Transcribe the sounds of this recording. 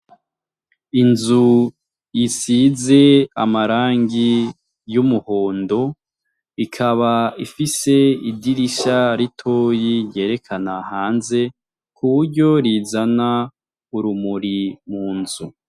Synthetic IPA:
inzu | jisize̞a̰maɾaːŋɡi | jumuhoːndo̞ | ikʰaβaifise̞idiɾiʃaɾitʰoːjije̞ːɾe̞kʰanahaːnze̞ | kʰuβuɾɟo̞ɾizana | uɾumuɾimuːnzu

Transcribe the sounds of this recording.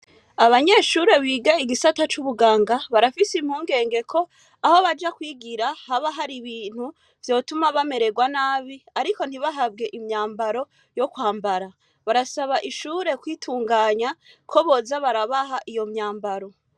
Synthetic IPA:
aβaɲe̞ːʃuɾe̞βiːɡaiɡisatat͡ʃuβuɡaːŋɡaβaɾafisim̥huːŋɡe̞ːŋɡe̞kʰo̞ | aho̞βad͡ʒakwiːɡiɾahaβaɦaɾiβiːn̥hu | v̥jo̞ːtumaβame̞ɾe̞ɡwanaːβiaɾiko̞n̥hiβaɦabɡe̞ʔimɲaːmbaɾo̞ | jo̞kwaːmbaɾa | βaɾasaβaʔiʃuːɾe̞kwiːtʰuːŋɡaːɲakʰo̞βo̞zaβaɾaβaɦaʔijo̞mɲaːmbaɾo̞

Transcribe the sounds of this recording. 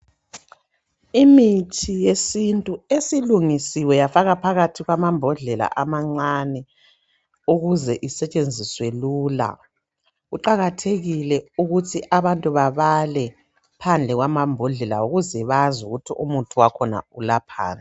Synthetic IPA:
imitʰijesintʼuesiluŋisiwɛjafaɣapʰaɣatʰiɣwamambʱɔɮɛla̰ʔamaŋ͡ǀanɛ | uɣuzɛʔisɛt͡ʃʼend͡zʱiswɛluːla̰ | ɣuǃaɣatʰeɣilɛuɣutʰiʔaβantʼuβaβalɛ | pʰand͡ɮʱɛɣwamambʱɔɮɛla̰uɣuzɛβazuɣutʰiʔumutʰuwakʰɔna̰ulapʰa̰ːna

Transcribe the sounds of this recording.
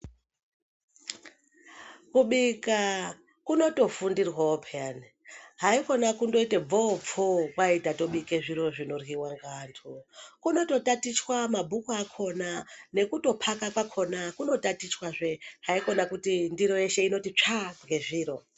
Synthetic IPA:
kuɓika | kuno̞to̞fundirwaopʰeani | ɦaiko̞nakundo̞iteb͡vo̞b͡vokwaitato̞ɓike̞ʐiɾo̞ʐino̞rwiwaŋɡaːntʰukuno̞to̞tatit͡ʃwamabʱukuakʰo̞nane̞kuto̞pʰakakwakʰo̞nakuno̞tatit͡ʃwaʐe̞ɦaiko̞nakutindiɾo̞je̞ʃe̞ino̞tit͡ʂaŋɡe̞ʐiːɾo̞

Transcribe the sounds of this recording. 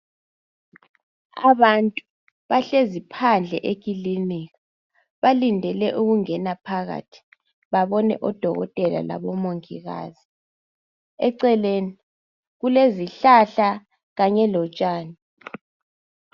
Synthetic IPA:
a̰βantʼu | βaɬezipʰand͡ɮʱɛʔek̬ʰʼiliniɣa | βalindʱɛlɛʔuɣuŋɛnapʰaɣa̰tʰi̥ | βaβɔnɛ̰ʔɔd̥ʱɔɣɔ̰tʼɛla̰la̰βɔmoŋḭɣa̰ːzi | ɛǀɛleːni | ɣuleziɬaɬa | ɣaɲɛlɔt͡ʃʼaːni

